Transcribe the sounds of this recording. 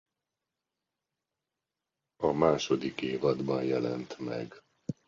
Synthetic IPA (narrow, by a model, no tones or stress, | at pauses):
ɒmaːʃo̞d̪ikeːvɒd̪bɒnjɛlɛnt̪mɛ̰ɡ